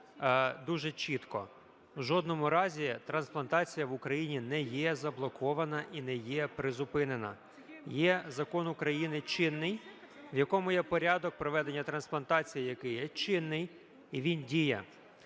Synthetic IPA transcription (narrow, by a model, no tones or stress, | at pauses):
d̪uʒɛt͡ʃit̪kɔ̰ | wʒɔd̪nɔmʊɾɑzʲit̪ɾɐnsplˠɐnt̪ɑt͡sʲijɐʋʊkɾɐjinʲinɛjɛzɐblˠɔkɔʋɐnɐʔinɛjɛpɾɪzʊpɪnenɐ̰ | jɛzɐkɔnʊkɾɐjinɪt͡ʃɪnːɪj | ʋjɐkɔmʊjɛpɔɾʲɑd̪ɔk̚pɾɔʋɛd̪enʲːɐt̪ɾɐnsplˠɐnt̪ɑt͡sʲijijɐkɪjɛt͡ʃɪnːɪj | iʋʲindʲijɛ